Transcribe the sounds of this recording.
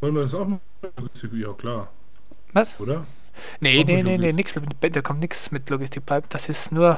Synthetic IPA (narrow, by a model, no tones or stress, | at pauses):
vɔlnviɐdas̬aʊxm | loɡɪstɪkjaːkʰl̥aːɐ | vasoːɾɐ | nenenenenɪksbɛdaːɐkʰɔmtnɪksmɪtloɡɪstɪk̚pʰaɪpd̥asɪsnuːɐ